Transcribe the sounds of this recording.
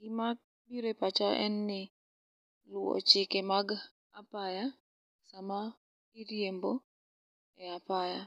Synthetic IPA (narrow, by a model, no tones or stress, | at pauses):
ɡɪmak̚ | biɾepat͡ʃaʔɛ̰nːɪ | lʊɔ̰t͡ʃɪkemaɡ | apaja | sama | iɾjembo | ɛapaja